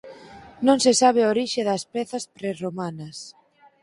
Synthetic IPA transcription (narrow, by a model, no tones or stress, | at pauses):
nõŋsesaβ̞eoɾiʃeðɐspɛθɐspɾeromanɐs